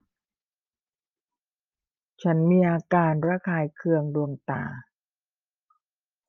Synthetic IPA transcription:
t͡ɕʰa˦˥nmiː˧ʔaː˧kaː˧nɾaː˦˧˥kʰaː˧jkʰɯ˧əŋdu˧əŋt̪a̰ː˨˩

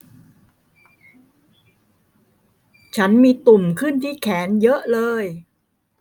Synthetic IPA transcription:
t͡ɕʰa˦˥nmiː˧t̪u˨˩mkʰɯ˥˩nt̪ʰiː˥˩kʰɛː˩˦njɤ˦˥ʔlɤː˧j

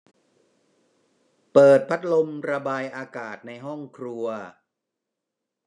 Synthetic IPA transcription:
pɤː˨˩t̪̚pʰa˦˥t̪̚lo˧mɾa˧baː˧jʔaː˧kaː˨˩t̪̚na˧jɦɔ˥˩ŋkʰɾu˧ɐ

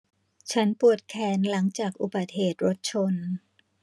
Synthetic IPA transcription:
t͡ɕʰa˦˥npu˨˩ət̪̚kʰɛː˧˩nla˩˦ŋt͡ɕaː˨˩k̚ʔu˨˩ba˨˩t̪̚heː˨˩t̪̚ɾo˦˥t̪̚t͡ɕʰo˧n

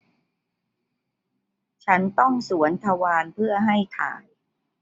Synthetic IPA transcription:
t͡ɕʰa˦˥nt̪ɔ˥˩ŋsu˩˦ənt̪ʰa˧waː˧npʰɯ˥˩ɐɦa˥˩jt̪ʰa̰ː˨˩˦n

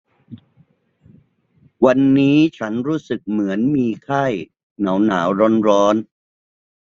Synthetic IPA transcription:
wa˧nːiː˦˥t͡ɕʰa˦˥nɾuː˦˥sɯ˨˩k̚mɯ˩˦ənmiː˧kʰa˥˩j | na˩˦wnaː˩˦wɾo˧˥nɾɔː˦˥n

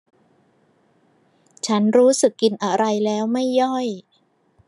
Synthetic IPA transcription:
t͡ɕʰa˦˥nɾuː˦˥sɯ˨˩kːi˧nʔa˧ɾa˧jlɛː˦˥wma˥˩jːɔ˥˩j

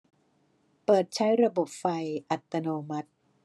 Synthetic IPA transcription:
pɤː˨˩t̪̚t͡ɕʰa˦˥jɾa˧bo˨˩p̚fa˧jʔa˨˩t̪ːa˧noː˧ma˦˥t̪̚

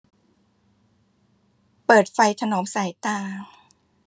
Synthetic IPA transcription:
pɤː˨˩t̪̚fa˧jt̪ʰa˧noː˩˦msaː˩˦jt̪aː˧

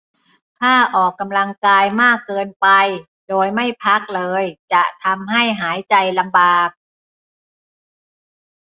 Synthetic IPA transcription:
k̪ʰaː˥˩ʔɔː˨˩kːa˧mla˧ŋkaː˧jmaː˥˩kːɤː˧npa˧j | doː˧jma˥˩jpʰa˦˥k̚lɤː˧jt͡ɕa˨˩ʔt̪ʰa˧mɦa˥˩jɦaː˩˦jt͡ɕa˧jla˧mbaː˨˩p̚

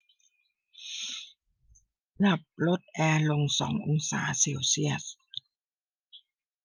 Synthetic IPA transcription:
na˨˩p̚ɾo˦˥t̪̚ʔɛː˧lo˧ŋsɔ̰ː˩˦ŋʔo˧ŋsa̰ː˩˦seː˧wsi˥˩əs

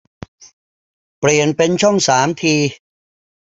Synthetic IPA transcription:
pli˨˩ənpe˧nt͡ɕʰɔ˥˩ŋsaː˩˦mt̪ʰiː˧

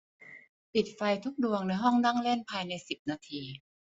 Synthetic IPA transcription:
pi˨˩t̪̚fa˧jt̪ʰu˦˥k̚du˧əŋnɯ˧jɦɔ˥˩ŋna˥˩ŋle˥˩npʰaː˧jna˧jsi˨˩p̚naː˧t̪ʰiː˧

